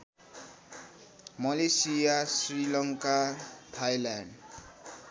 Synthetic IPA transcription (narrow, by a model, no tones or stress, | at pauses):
mʌlesijasrilʌŋkat̪ʰajlaɳɖ